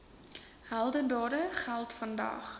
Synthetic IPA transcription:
hælˠdəndɑːɾəχælˠtfɐndɐ̰χ

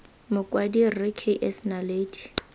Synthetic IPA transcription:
mʊkʼwadirɪkʰeʔɛsnaleːdi̥

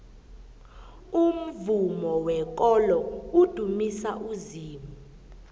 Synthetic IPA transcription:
um̩vumɔwɛk̬ʼɔlɔud̥ʱumisaʔuziːmu

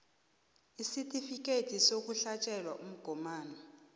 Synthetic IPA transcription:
isitʼifikʼetʰʼisok̬ʼuɬat͡ʃʼɛlwaʔum̩ɡ̥ʱɔmaːnɔ

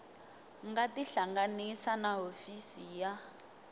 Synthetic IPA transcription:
ŋɡatiɬaŋɡanisanaɦofisija

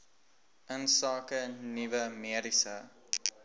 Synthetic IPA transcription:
ʔənsɑːkənivəmiəɾisə

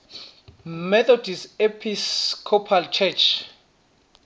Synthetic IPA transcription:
mɛt̪ʰɔd̥ʱisepʰiskʰɔpʰalt͡ʃʰɛt͡ʃʰ

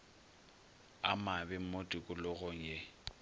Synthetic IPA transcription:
a̰mabɪm̩motʼikʼʊlʊɣɔŋ̩je

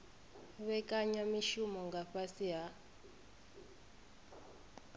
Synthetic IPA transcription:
βɛkʼaɲwamiʃumɔŋɡaɸasiɦa

